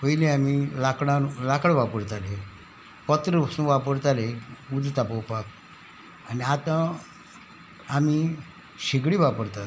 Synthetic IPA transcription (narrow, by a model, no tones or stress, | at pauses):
pəjlẽamilakɽãlakəɽʋapəɾt̪ale | pət̪ɾəsũʋapəɾt̪aleud͡zt̪apəwpak | aniat̪ã | ami | ɕiɡɽiːʋapəɾt̪at̪